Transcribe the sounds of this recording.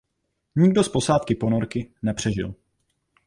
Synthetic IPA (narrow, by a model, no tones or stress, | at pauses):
ɲɪɡ̚do̞spo̞saːt̪kɪpo̞noɾkɪnɛpr̝̥ɛʒɪ̰l